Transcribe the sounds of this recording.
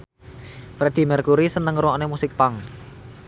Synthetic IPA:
fɾed̪̥i̤mɛrkuɾisənəŋɾuonemusɪk̚paŋ

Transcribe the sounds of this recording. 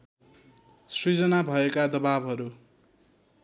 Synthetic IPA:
srid͡zʌnabʱʌekad̪ʌbabɦʌɾu

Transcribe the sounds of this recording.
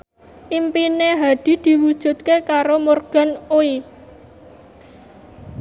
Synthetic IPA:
ʔimpineɦad̪̥i̤d̪̥i̤wud̥ʒ̥ṳt̪̚kekaɾomorɡ̥a̤noi

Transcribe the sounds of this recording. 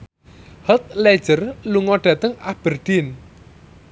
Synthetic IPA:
hət̪̚lɛ̥ʒ̥ərluŋɔɖ̥ä̤t̪əŋab̥ərd̥ɪn

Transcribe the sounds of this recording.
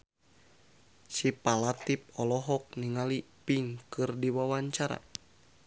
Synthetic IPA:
sipalat̪ip̚ɔlɔɦɔk̚niŋalipiŋkɨrdiwawaɲt͡ʃaɾa̰

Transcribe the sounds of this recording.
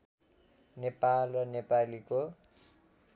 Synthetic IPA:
nepalrʌnepaliko

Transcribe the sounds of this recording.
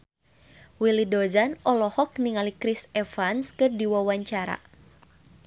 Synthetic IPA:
wilidɔzanɔlɔhɔk̚niŋalikɾisɛfanskɨrdiwawaɲt͡ʃaɾa̰

